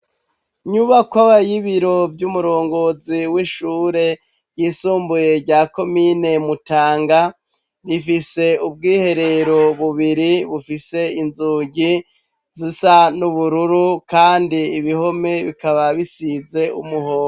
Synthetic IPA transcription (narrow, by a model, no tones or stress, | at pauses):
ɲuβakwaβajiβiɾo̞vjumuɾo̞ːŋɡo̞ziwiʃuːɾe̞ | ɾɟ̥iːsuːmbuje̞ɾɟaːko̞mine̞mutaːŋɡa | ɾifise̞ub̚ɡiːhe̞ɾe̞ɾo̞βuβiɾiβufise̞inzuːɟi | zisanuβuɾuɾukaːndiːβiho̞me̞βikaβaβisize̞ṵmuhoːo